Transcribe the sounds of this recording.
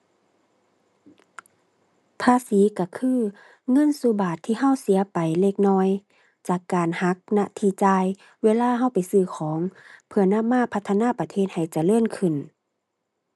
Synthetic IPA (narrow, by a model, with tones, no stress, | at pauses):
pʰaː˧˥˨siː˨˦ka˧˩kʰɯː˧˨ | ŋɤ˧˥˨nsuː˧˦baː˨˩t̪ʰːiː˧˨ɦa˧˥˨wsi˨˦ɐpa˨jle˧˩k̚nɔː˧˥˨j | t͡ɕaː˨˩kːaː˨˩nha˧˦˥k̚na˧ʔt̪ʰiː˧˩t͡ɕaː˧j | weː˧˨laː˧˥˨ɦa˧˥˩wpa˨jsɯː˧˩kʰɔː˨˦ŋpʰɯ˧˩ɐna˧˥˨mːaː˧˥˨pʰa˧t̪ʰːa˧naː˧˥˨pa˧t̪ʰeː˧˥˨t̪̚ha˨˩jt͡ɕa˧˩lɤː˧˥˨nkʰɯ˨˩n